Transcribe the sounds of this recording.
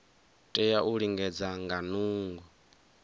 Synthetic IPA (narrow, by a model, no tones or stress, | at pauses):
tʼɛjaʔuɺiŋɡɛd͡zaŋɡanuːŋɡwɛ